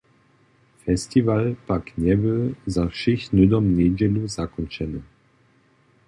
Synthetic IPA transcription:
fɛst̪ivalpakɲɛbɪlzafʃixnud̪ɔmɲɛd͡ʒɛluzakɔnt͡ʃɛnɨ

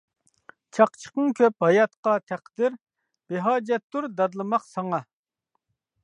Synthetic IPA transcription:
t͡ʃʰɑqt͡ʃʰə̥qəŋkʲʰøp̚hɑjɑt̪qɑt̪ʰæqd̪ɪɾ | b̥eɦɑːd͡ʒɛt̪ːuɾd̪ɑd̪lˠɨmɑqsɑŋɑ

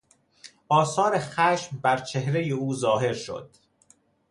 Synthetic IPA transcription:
ʔɒːsɒːɾexæːʃmbæɾt͡ʃʰe̞hɾejeuːzɒːɦe̞ɾʃo̰d̪̥

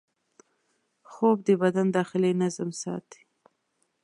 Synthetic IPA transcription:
xob̚d̪əbad̪and̪ɑxɪlenazmsɑ̰t̪i̥

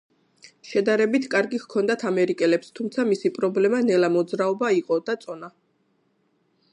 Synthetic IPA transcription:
ʃɛd̪aɾɛbit̪ʰkʼaɾɡihkʰɔnd̪at̪ʰamɛɾikʼɛlɛpst̪ʰumt̪sʰamisipʼɾɔblɛmanɛlamɔd̪zɾaɔbaiqʼɔd̪̥at̪sʼɔna

